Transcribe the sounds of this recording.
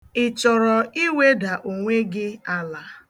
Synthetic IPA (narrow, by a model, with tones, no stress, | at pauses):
ɪ˨t͡ʃɔ˨ɾɔ˨i˦we˦da˨ʔo˨ŋʷe˦ɡɪ˦a˨la˨